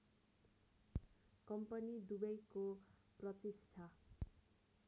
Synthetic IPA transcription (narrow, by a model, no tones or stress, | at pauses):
kʌmpʌnid̪ubʌjkoprʌt̪isʈʰa